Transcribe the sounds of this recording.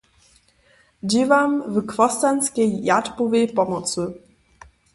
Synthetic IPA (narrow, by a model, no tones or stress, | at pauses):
d͡ʑivamvkvɔst̪anʲskʲejːatpuvɛjpɔmɔsɨ